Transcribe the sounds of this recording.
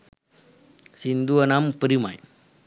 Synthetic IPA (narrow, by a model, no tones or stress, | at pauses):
sind̪uanampəɾima̰j